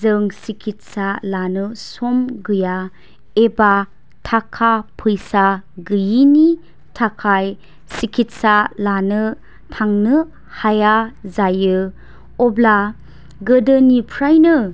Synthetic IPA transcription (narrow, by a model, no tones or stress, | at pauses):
zɯŋsikʰit̚salanɯsomɡɯja | eba | tʰakʰapʰɯjsaɡɯjini | tʰakʰaj | sikʰitsalanɯ | tʰaŋnɯ | hajazajɯ | ɔbla | ɡədɯnipʰɾajnɯ